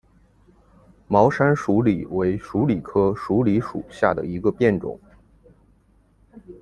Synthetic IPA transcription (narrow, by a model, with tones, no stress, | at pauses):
mɑ˧˥ʊʂa˥nʂu˧˥li˨˩we˧˥ɪʂu˧˥li˨˩kʰɤ˥ʂu˧˥li˧˥ʂṵ˨˩ɕja˥˩d̪ə̰˩i˧˥ɡə˧pjɛ˥˩nʈ͡ʂʊ̰˨˩˦ŋ